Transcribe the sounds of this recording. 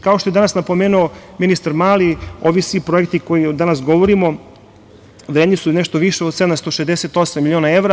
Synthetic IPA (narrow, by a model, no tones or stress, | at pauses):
kao̞ʃt̪o̞jed̪anasnapo̞meːnuominist̪aɾmaːlio̞ʋisʋipɾo̞ekt̪iko̞jid̪anasɡo̞ʋoɾimo̞ | ʋɾed̪ɲisuneʃt̪o̞ʋiʃeod̪sed̪amst̪oʃezd̪eset̪o̞samːilʲjionaeʋɾa